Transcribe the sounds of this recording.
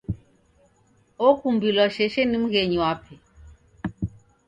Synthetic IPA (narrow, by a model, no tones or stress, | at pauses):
ɔkumbilwaʃɛʃɛnim̩ɣɛɲiwapʰɛ